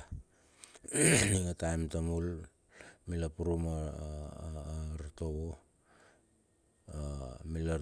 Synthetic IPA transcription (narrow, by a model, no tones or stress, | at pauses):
niŋatajmtamul | milapuɾuma | ɾto̞βo | amila